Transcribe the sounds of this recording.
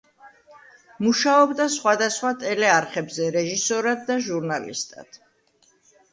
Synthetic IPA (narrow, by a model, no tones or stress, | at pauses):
muʃaɔbd̪asχwad̪asχwat̪ʼɛlɛaɾχɛbzɛɾɛʒisɔɾad̪ːaʒuɾnalḭst̪ʼa̰d̪̥